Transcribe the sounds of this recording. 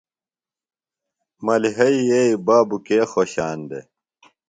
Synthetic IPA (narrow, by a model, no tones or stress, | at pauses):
mɐliɦɐieibaːbukeːxoːɕaːnd̪ḛ